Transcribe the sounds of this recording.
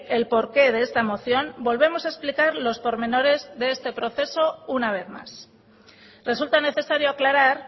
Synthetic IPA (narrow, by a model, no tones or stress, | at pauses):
e̞lpo̞ɾke̞ðe̞est̪amo̞θjo̞mbo̞lβe̞mo̞saesplikaɾlo̞spo̞ɾmẽ̞no̞ɾe̞zðe̞est̪e̞pɾo̞θe̞so̞unaβ̞e̞θma̰s | re̞sult̪ane̞θe̞saɾjoaklaɾaɾ